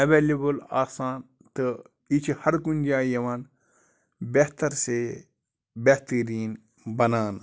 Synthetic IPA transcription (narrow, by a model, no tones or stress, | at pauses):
ɐʋeːlebɐlaːsaːn | t̪ɨ | it͡ʃʰhɐɾkunʲd͡ʒaːjɐʋaːn | beht̪ɐɾse | beht̪əɾiːn | bɐnaːn